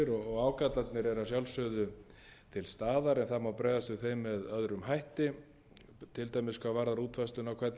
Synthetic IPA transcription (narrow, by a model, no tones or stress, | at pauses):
ɪɾɔɣɔɣaːwkat̪lat̪nɪɾɛɾasjawlsœðʏ | t̪ʰɪlst̪aːðaɾɛnθamawpɾɛːðast̪ʏθejmːɛðœðɾʏmɦajht̪ɪ | t̪ʰɪlt̪ajmɪskʰvavaːɾðaɾuːt̪ʰfajst̪lʏnawkʰvɛt̪n